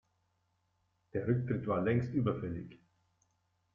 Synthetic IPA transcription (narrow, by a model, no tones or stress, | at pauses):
d̪̥eɾʏk̚t̪ɾɪt̪vaːlɛŋst̪yːbəfɛlːɪ̰ɡ